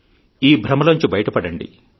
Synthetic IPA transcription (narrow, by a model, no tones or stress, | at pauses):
iːbʱɾɐmɐlɐɲt͡ʃubɐjɐʈɐpɐɽɐɳɖḭ